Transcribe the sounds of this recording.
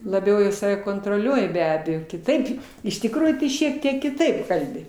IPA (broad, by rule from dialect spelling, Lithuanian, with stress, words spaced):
lˠɐˈbʲɛʊ ɪ ˈsɑːʋʲɛ koːntroːˈlʲuɔjɪ bʲɛ ˈɑːbʲɛjoː kʲɪˈtɐɪp ɪʃ tʲɪkˈruːjuː tɐɪ ʃʲiɛk ˈtʲiɛk kʲɪˈtɐɪp ˈkɐlʲbʲɪ